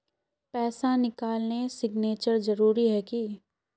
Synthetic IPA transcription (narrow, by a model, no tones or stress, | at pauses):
pɛːsanɪkaːlnesɪɡneːt͡ʃəɾzɐɾuːɾiɦɛːki